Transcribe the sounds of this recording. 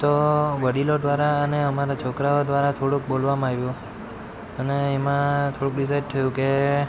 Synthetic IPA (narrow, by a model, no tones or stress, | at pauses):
t̪oʋəɽilod̪ʋaɾaəneəmaɾat͡ʃʰokɾaod̪ʋaɾat̪ʰoɽũk̚bolʋamaɡʋjũ | əneːmãt̪ʰoɽũkɾis̬ajd͡ʒt̪ʰəjũke